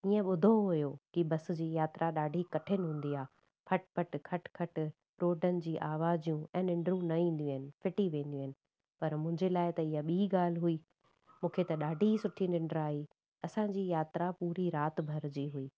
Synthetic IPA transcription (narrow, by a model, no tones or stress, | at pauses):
iːə̃ɓʊd̪ʱoɦʊjokɪbɐsd͡ʑiːjaːt̪ɾʔaɗaːɖʱikɐʈʰɪnɪɦũːn̆d̪iaː | pʰɐʈpʰɐʈɪ̆kʰɐʈkʰɐʈɪ̆ | ɾoːɖʱənɪ̆d͡ʑiːʔaːʋaːd͡ʑijũɛ̃ːnɪ̃ɳɖɾũnɐĩːn̆d̪iũɦɪnɪ̆fʰɪʈiʋẽːn̆d̪ĩːɦɪnɪ̆ | pɐɾmʊ̃ɦɪ̃ɲd͡ʑelaːɪt̪ɐɪɦaɓiːɠaːl̤ɦuiː | mũːkʰet̪ɐɗaːɖʱisʊʈʰinɪ̃ɳɖɾaːɦiː | ɐsãd͡ʑiːjaːt̪ɾapuːɾiɾaːt̪bʱɐɾd͡ʑiːɦuiː